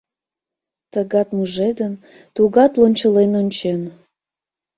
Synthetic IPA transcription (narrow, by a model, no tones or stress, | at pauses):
t̪əɣɑt̪muʒed̪ən | t̪uɣɑt̪lonʲt͡ɕəlenonʲt͡ɕen